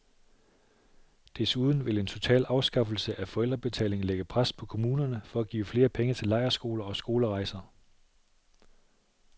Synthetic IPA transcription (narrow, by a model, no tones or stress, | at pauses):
d̥esuːð̞ˠn̩ʋe̝le̝nt͡sʰo̝t͡sʰɛ̰ːlɑ̈ʊsɡ̥ɑ̈fl̩səʔæfɒ̽el̰d̥ʁɐb̥e̝t͡sʰɛ̰ːle̝ŋn̩leɡ̥əpʰʁaspʰɒ̽kʰo̝muːnɐnəfɒ̽æɡ̥ḭːfle̝ːɐpʰeŋət͡sʰe̝lːɑ̈ɪɐsɡ̥o̝̰ːlɐɒ̽sɡ̥o̝ːləʁɑ̈ɪsɐ